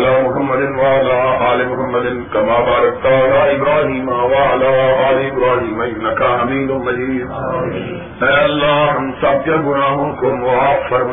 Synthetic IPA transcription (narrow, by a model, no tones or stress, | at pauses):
laːmʊɦɐmːɐd̪ɪnʋɐɐlaːaːlɪmʊɦɐmːɐd̪ɪnkɐmaːbaːɾɐk̚t̪aɐlaːɪbɾaːɦiːmaʋɐɐlaːaːleɪbɾaːɦiːmɐɪnːɐkʰaɐmiːd̪ʊnmɐd͡ʑiːd̪ | ɛ̃ːɐlːaɦɐmsaːb̚jaɡʊnaːɦʊnkʰoːmʊaːfɐɾm